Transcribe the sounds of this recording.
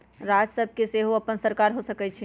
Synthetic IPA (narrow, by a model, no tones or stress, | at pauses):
ɾad͡ʒsəb̚ʱkeseɦoəpənsəɾkaɾɦosəkɛt͡ʃʰɛ